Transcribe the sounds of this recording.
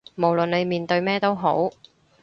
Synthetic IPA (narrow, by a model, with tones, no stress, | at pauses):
mo˨˩wlɵ˨ne˨˧jmiː˨nt̪ɵ˧ɥmɛː˥t̪o˥wɦo˨˥w